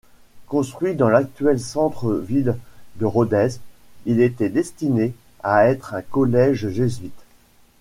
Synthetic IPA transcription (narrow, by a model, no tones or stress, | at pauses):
kɔ̃st̪χɥid̪ɑ̃lak̚t̪ɥɛlsɑ̃t̪χəvild̪əʁod̪ɛzilet̪ɛd̪ɛst̪ine | aɛt̪χɛ̃kɔlɛʒʒezɥit̪